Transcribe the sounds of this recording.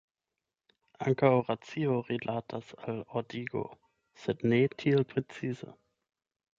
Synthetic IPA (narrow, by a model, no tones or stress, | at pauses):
aŋkawʁat͡sioʁilʔatʰasalodiɡo̰ | sednetʰielpɾet͡sizə̰